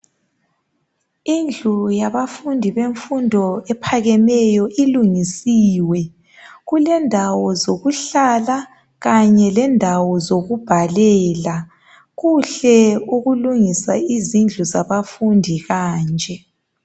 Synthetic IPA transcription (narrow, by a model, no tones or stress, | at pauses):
ind͡ɮʱujaβafundʱiβeɱfundʱɔɛpʰaɣɛmɛjɔʔiluŋisiːwɛ | ɣulɛndʱawɔzoɣuɬala | ɣaɲɛlɛndʱawɔzoɣub̥ʱalɛːla | ɣuɬɛuɣuluŋisa̰izind͡ɮʱuzaβafundʱiɣaːnd͡ʒʱɛ